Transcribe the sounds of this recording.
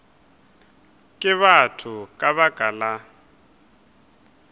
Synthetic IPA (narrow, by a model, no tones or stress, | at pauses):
kʼɪβatʰʊkʼaβaɡ̥ʱala